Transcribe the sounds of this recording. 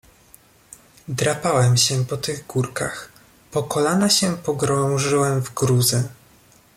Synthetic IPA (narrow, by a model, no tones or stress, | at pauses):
d̪ɾapawɛmɕɛpɔt̪ɘɣɡuɾka̰x | pɔkɔlanaɕɛpɔɡɾɔ̃w̃ʐɘwɛmvɡɾuzɘ